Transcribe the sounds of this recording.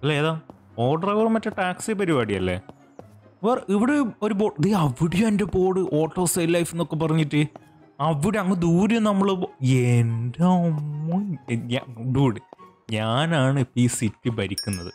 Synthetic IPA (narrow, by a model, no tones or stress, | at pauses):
ɐlːeeːðaːm | oːɖɐrʋɐrmɐtːɐʈaːksipɐɾibaːɽiɐlːḛː | ʋɐrʔiʋiɽeoɾup̬oːðeɐʋiɽejumende̞po̞ːɽɨʔo̞ːʈːo̞ːsɐjllɐjfenːokːe̞p̬ːɐrɐɲːiʈːɨ | ɐʋiɽeɐŋːɐd̪uːɾunɐmːɐɭoendeomːoɲaɖuːɽɨ | ɲaːnaːɳɨpiːsitːɨbɐɾikʲːunːɐðɨ